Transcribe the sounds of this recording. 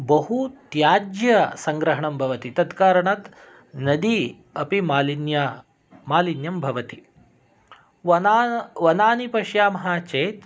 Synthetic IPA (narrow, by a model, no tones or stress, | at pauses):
bɐɦut̪jaːd͡ʒjɐsɐŋɡɾɐɦɐɳɐmbʱɐʋɐt̪it̪ɐd̪kaːɾɐɳɐt̪ | nɐd̪i | ɐpimaːlinja | maːlinjɐmbʱɐʋɐt̪i | ʋɐnaːnipɐʃjaːmɐɦaːt͡ʃeːt̪